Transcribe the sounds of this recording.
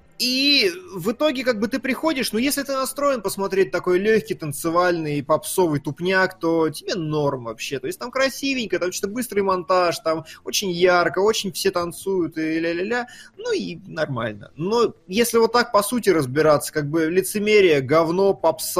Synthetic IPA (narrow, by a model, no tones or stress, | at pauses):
ivɨt̪o̞ɡʲɪkaɡ̚bɨt̪ɨpɾʲɪxo̞dʲɪʂnujesʲlʲɪt̪ɨnɐst̪ɾo̞jɪnpəsmɐt̪ɾʲet̚ʲt̪ɐko̞jlʲɵçʲkʲɪjt̪ənt̪sɨvalʲnɨjpɐpso̞vɨjt̪ʊpnʲakt̪o̞tʲɪbʲe̞no̞rmvɐpɕːet̪o̞ɪsʲtʲt̪amkɾɐsʲivʲɪnʲkəjt̪t͡ɕi̥t̪əbɨst̪ɾɨjmɐnt̪aʂt̪amo̞t͡ɕɪnʲjarkəot͡ɕɪnʲfsʲet̪ɐnt̪sujʊt̪ɨlʲalʲalʲanuinɐrma̰lʲnə̰nojesʲlʲɪvo̞t̪ːak̚pɐsutʲɪɾəzbʲɪɾat̪sːə̥kaɡ̚bɨlʲɪt̪sɨmʲeɾʲɪjəɡɐvno̞pɐps